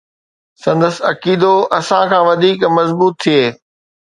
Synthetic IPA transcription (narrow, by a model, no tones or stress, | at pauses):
sɐ̃nd̪əsɐkiːd̪oʔɐsãkʰãːʋɐd̪ʱiːkmɐzbuːt̪ʰːijeː